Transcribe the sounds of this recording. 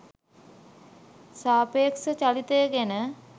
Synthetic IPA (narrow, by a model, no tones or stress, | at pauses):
saːpeːksət͡ʃalit̪əjəɡenə